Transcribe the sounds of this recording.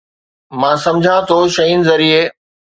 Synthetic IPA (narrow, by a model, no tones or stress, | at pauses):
mãːsɐ̃md͡ʑʱãt̪ʰoʃɐinɪ̆zɐɾie